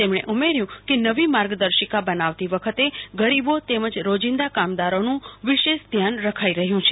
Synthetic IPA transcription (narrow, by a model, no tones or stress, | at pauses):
t̪emɽ̃eʔumeɾjũkenəʋimaɾɡd̪əɾʃəkabənaʋt̪iʋəkʰət̪eɡəɾibot̪eməd͡ʒɾod͡ʒɪ̃nd̪akamd̪aɾonũʋɪʃeʃd̪ʱjanɾəkʰaiɾəɦjũt͡ʃʰe